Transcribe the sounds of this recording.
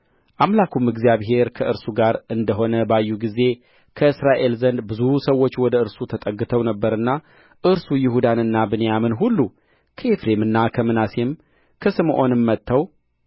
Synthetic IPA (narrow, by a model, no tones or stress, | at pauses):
ʔamlakʰumɨɡzijaβɦe̞ɾkʰəʔɨɾsuɡaɾɨnd̪əɦo̞nəbajːuɡize̞ | kʰəɨsɾaʔe̞lzənd̪bɨzusəwo̞t͡ʃːwɔd̪əɨɾsut̪ʰət̪ʼəɡːɨt̪ʰəwnəbːəɾɨnːa | ʔɨɾsujɪhud̪anɨnːabɨnejamɨnɦulːu | kʰəefɾe̞mɨnːakʰəmɨnase̞m | kʰəsɨmʔo̞nɨmːət̪ːəw